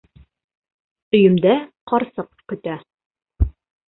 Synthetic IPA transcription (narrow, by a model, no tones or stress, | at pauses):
ɵ̆jɵ̆md̪æqɒɾsɤqkɵ̆t̪æ